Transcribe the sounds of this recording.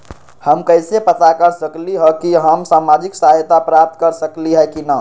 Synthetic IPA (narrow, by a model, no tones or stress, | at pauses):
həmkəjsepət̪akəɾsəkliɦəkiɦəmsamad͡ʒiksaɦjt̪apɾap̚t̪kəɾsəkliɦɛkinə